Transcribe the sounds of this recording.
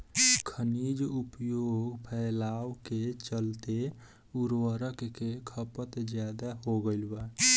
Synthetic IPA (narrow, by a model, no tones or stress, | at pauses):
kʰənid͡ʒupjoɡpʰɛlawket͡ʃəlt̪e | uɾwəɾəkkekʰəpət̪d͡ʒjad̪aɦoɡəɪlba